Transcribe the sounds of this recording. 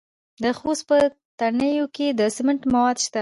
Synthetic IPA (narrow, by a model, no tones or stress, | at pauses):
d̪əxost̪̚pə | t̪anəjoked̪əsɪmɪɳʈmawɑd̪ʃt̪a